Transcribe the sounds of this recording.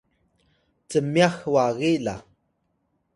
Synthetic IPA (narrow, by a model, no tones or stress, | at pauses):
t͡səmjaxwaɣila